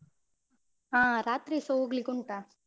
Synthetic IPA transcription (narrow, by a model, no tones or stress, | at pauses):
aːɾaːt̪ɾisoɡliɡuɳʈa